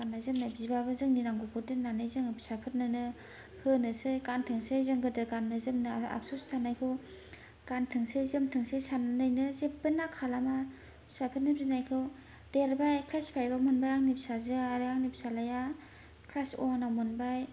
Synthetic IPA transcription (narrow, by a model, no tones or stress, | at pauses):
anːajzɯmnabzibabɯzɯŋniɾaŋɡokʰodɯnanɯjzɯŋbʰi̥sapʰɯt̚nɯnɯ | pʰɯnɯsɯjɡantʰɯŋsɯjzɯŋɡɯdɯɡanːɯzɯmnɯa̰psostʰanajkʰɯw | ɡ̥antʰɯŋsɯjzɯmtʰɯŋsejsannɯjnɯzebɯnakʰalama | bʰi̥sapʰɯt̚nɯbzinajkʰɯw | deɾbajkʰlajspʰajbamɔnbajaŋnipsazɯaɾɯaŋnipsalaja | kʰlasɔ̰ŋnamɯnbaj